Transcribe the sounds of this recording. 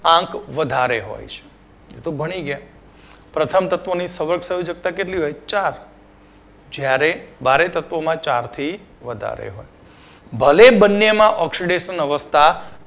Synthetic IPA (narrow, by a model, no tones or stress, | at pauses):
ãkʋəd̪ʱaɾeɦo̰jt͡ʃʰe̥ | ḛt̪obʱəɽ̃iɡəja | pɾət̪ʰəmt̪ət̪ʋonisəʋəɾɡsəjud͡ʒək̚t̪akeʈliɦojt͡ʃaɾ | d͡ʒjaɾebaɾet̪ət̪ʋomãt͡ʃaɾt̪ʰi | ʋəd̪ʱa̰ɾḛɦo̰j | bʱəlebənːemãʔɔksiɖeʃənəʋəst̪ʰa